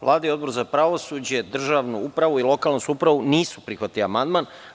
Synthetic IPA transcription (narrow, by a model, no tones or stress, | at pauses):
ʋlˠaːd̪aiod̪bo̞ɾuzapɾaʋo̞sud͡ʑe̞d̪r̩ʒaʋnuupɾaʋuilˠo̞kalˠnosuupɾaʋuniːsu̥pɾixʋat̪iliamand̪man